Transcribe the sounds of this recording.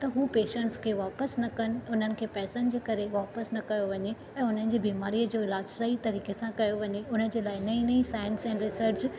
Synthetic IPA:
t̪ɐɦuːpeːʃə̃ɳʈskʰeːʋaːpəsnɐkɐnɪ̆ʊn̤ənɪ̆kʰeːpɛːsənɪ̆d͡ʑeːkɐɾeʋaːpəsnɐkɐjoʋɐɲe | ɛ̃ːʊn̤ənɪ̆d͡ʑeːbiːmaːɾiːəd͡ʑoːɪlaːd͡ʑsɐit̪ɐɾiːkesãkɐjoʋɐɲeʊnəd͡ʑeːlaːɪnɐĩnɐĩsaːɪə̃nsɛ̃ːnɾɪsəɾʈt͡ɕ

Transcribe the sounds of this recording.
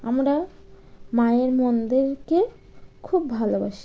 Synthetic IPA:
amɾa | maeɾmɔnd̪iɾke | kʰubːʱalobaʃi̥

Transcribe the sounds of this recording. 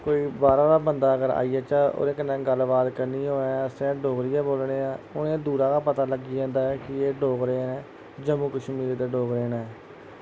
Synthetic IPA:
koːiːbaːɾãːd̪aːbənd̪aːəɡəɾa̰ːiːɛːt͡ʃaːo̰ːɾẽːkənːɛ̃ːɡəlbaːt̪kəɾniːɦoːasẽɖoːɡɾɪjɛːboːlɽeːãːʊnẽːd̪uːɾãːkaːpət̪aːləɡiãːnd̪aːɛkɪeːɖoːɡɾeːnɛː | d͡ʒəmũːkəʃʰmiːleːt̪eːɖoːɡɾeːnaɛː

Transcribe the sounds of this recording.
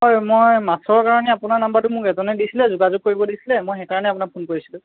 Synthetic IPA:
hɔjmojmasɔkaɹɔnɛapunaɹnambatʊmʊkɛtɔnɛdisilɛzuɡazuɡ̚kːoɹibɔdisilɛmojxɛkaɔnɛapʊnak̚pʰonkoɹisilʊ̃

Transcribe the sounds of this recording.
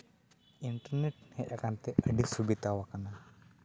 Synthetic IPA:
int̪ərnɛʈ̚hɛʔakant̪ɛʔəɖiksubit̪awakana

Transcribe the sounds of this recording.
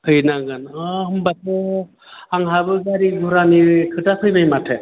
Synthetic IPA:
kʰɯjnaɡɯnɔɦɯmbatɔ | aŋɦabɯɡaɾiɡʱuɾaniɾɯkʰɯtapʰɯjbajmatʰɛ

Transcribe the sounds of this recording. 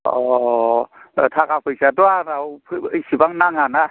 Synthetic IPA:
ɔ | tʰakapʰɯjsadɔaɾawpʰɯjsibaŋnaŋana

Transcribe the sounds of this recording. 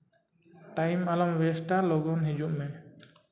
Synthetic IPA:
ʈajmalɔmwɛsʈalɔɡɔnɦid͡ʒuʔmɛ

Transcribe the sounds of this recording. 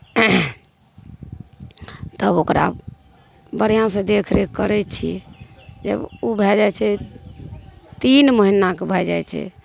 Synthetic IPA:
t̪əbokɾa̰ | bəɽijãsẽd̪ekʰɾekəɾɛt͡ʃʰḭ | d͡ʒə̰bubʱɛd͡ʒajt͡ʃʰɛ | t̪inməɦinakebʱɛd͡ʒa̰jt͡ʃʰɛ̰

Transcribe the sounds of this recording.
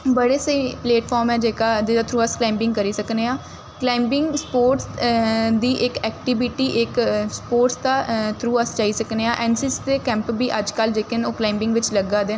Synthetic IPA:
bəɽeːsəiːpleːʈfʰɔːɾmɛːd͡ʒeːkaːd̪eːd̪aːt̪ʰɾuːəsklaːmbɪ̃ŋɡkəɾiːsəkneːaː | klaːɪmbɪŋɡspoːɾʈsd̪iːʔɪkɛːkʈibɪʈiːʔɪkspoːɾʈsd̪aːt̪ʰɾuːəst͡ʃaːiːsəkneːãːʔɛːnsɪsd̪eːkɛ̃ːmpbiːʔəd͡ʒkəld͡ʒeːkənoːklaːɪmbɪ̃ŋɡʋɪt͡ʃləɡaːd̪eː

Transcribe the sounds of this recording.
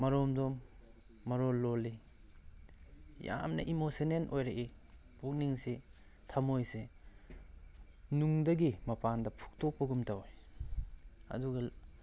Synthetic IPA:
mɐɾɔmdɔmː | ɐɾolːoli | ja̰mnɐ̰ʔimosenenʔojɾɐʔi | buk̚niŋsi | tʰɐmojse | nuŋdɐɡimɐpandɐpʰu̥k̚tɔk̚pɐɡumtawj | ɐ̰duɡɐ

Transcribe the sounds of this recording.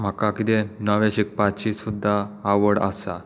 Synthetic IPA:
m̤akakit̪enəʋẽɕik̚pat͡ɕiːsud̪ʱːaːʋəɽa̰sa

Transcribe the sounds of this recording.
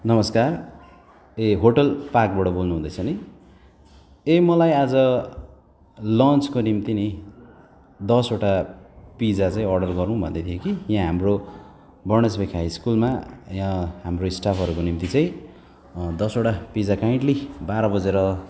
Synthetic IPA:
nʌmʌskar | eɦoʈʌlpak̚bʌɽʌbolnuɦũd̪ʌjt͡sʰʌni | emʌlajad͡zʌ | lʌnt͡skonimt̪ini | d̪ʌsoʈapid͡zat͡saĩʌrɖʌrɡʌɾuw̃bʱʌ̰nd̪ʌt̪ʰjokijãɦamro | bʌrnʌsbekʰajskulmajãɦamroisʈapʰʌɾukonimt̪it͡saĩ | d̪ʌsoʈapid͡zakaj̃ɳʈlibaɾʌbʌd͡zeɾʌ

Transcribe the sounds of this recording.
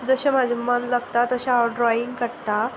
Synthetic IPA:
d͡zəɕam̤ad͡ʑʱimənlaɡt̪at̪əɕaaɖɾɔiŋɡkəɽt̪a

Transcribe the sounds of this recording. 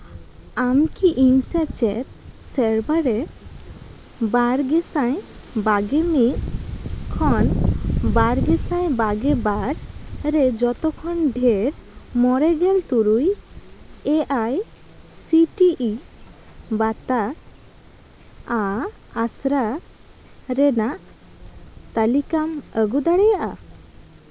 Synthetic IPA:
amkiʔiŋsat͡ʃɛt̪̚sɛɾbaɾe | baɾɡesãj | baɡemiʔkʰɔnbaɾɡɛsajbaɡebaɾɾed͡ʒɔt̪okʰɔnɖʱeɾmɔɾɛɡɛlt̪uɾuj | ɛʔaj | siʈiʔi | bat̪a | aː | sɾa | ɾɛnaʔ | t̪alikaməɡud̪aɽɛjaʔa

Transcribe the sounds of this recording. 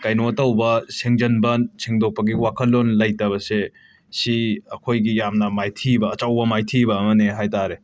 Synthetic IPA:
kajnoɐtɐwbɐseŋd͡ʒɐnbɐnsiŋdok̚pɐɡiwakʰɐlːonlɐjtɐβɐse | siɐkʰojɡijamnɐmajtʰibɐːt͡ʃɐwbɐmajtʰibɐːmɐneɦajtaɾe

